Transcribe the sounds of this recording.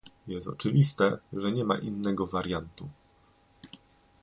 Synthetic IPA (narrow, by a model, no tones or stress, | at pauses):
jɛst̪ɔ̰t͡ʂɘvʲist̪ɛʐɛɲɛma̰ʔinːɛɡɔvaɾjant̪u